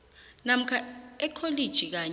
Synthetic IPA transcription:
nam̩kʰaɛkʰolid̥ʒ̥ʱik̬aɲ

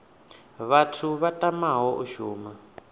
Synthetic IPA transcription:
βatʰuβatʼamaɦɔʔuʃuːma

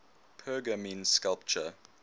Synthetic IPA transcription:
pʰɜːɡəmĩnskalˠp̚t͡ʃə

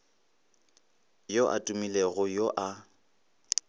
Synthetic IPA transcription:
joʔa̰tʼumileɣʊjoʔa

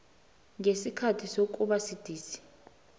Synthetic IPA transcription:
ŋesikʰatʰisok̬ʼuɓasid̥ʱiːsi̥

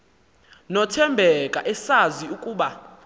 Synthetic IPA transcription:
nɔtʰɛmbʱɛkʼa̰ʔɛsaziukʼuːɓa

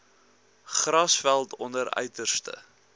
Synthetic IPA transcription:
χrɐsfælˠtɔndəɾœ̰ɥtərstə̰

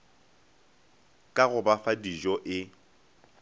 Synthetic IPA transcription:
kʼaɣʊbafadiʒɔʔɪ

